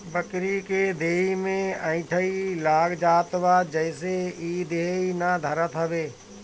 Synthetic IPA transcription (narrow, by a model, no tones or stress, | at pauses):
bɐkɾikeːd̪ʱeːimẽɐ̃ɪ̃ʈʰəilaːɡd͡ʑaːt̪ʋaːd͡ʒɐɪseiːd̪ʱeːinad̪ʱɐɾət̪ʰəʋeː